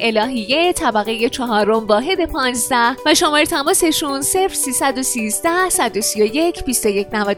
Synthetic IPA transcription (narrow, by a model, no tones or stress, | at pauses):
ʔe̞lɒːɦije̞t̪ʰæbæɣe̞je̞t͡ʃʰɒɦɒːɾo̞mvɒːɦe̞d̪e̞pʰɒːnzd̪æhvæʃomɒːɾet̪ʰæmɒːse̞ʃunse̞fɾ̥siːsæd̪o̞siːzd̪æhsæd̪o̞sijo̞je̞cʰbist̪o̞je̞cʰnævæd̪